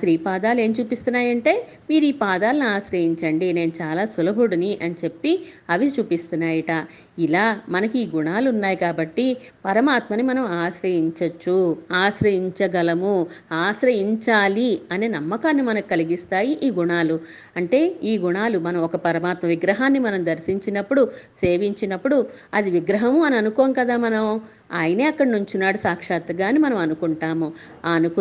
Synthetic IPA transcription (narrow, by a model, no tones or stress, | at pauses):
sɾiːpaːd̪aːle̞ːmt͡ʃuːpist̪unːaːjɐɳʈe̞ː | miːɾuiːpaːd̪aːlɐniaːsɾɐjiɲt͡ʃɐɳɖine̞ːnut͡ʃaːlaːsulɐbuɽuniʔɐnit͡ʃe̞pːiɐʋit͡ʃuːpist̪unːaːjɐʈa | ilaːmɐnɐkuiːɡuɳaːluunːaːjikaːbɐʈːipɐɾɐmaːt̪mɐnimɐnɐmaːsɾɐjiɲt͡ʃɐt͡ʃːuaːsɾɐjiɲt͡ʃɐɡɐlɐmuaːsɾɐjiɲt͡ʃaːliɐneːnɐmːɐkaːnːimɐnɐku̥kɐliɡist̪aːjiʔiːɡuɳaːlu | ɐɳʈe̞ːiːɡuɳaːlumɐnɐmɔkɐpɐɾɐmaːt̪mɐʋiɡɾɐɦaːnːimɐnɐmd̪ɐɾsiɲt͡ʃinɐpːuɽuse̞ːʋiɲt͡ʃinɐpːuɽuɐd̪iʋiɡɾɐɦɐmuɐniɐnukɔːʋɐŋkɐd̪aːmɐnɐm | aːjɐne̞ːɐkːɐɽɐnuɲt͡ʃunːaːɽusaːkʂaːt̪ɐɡaːnimɐnɐmɐnukuɳʈaːmu | aːnuk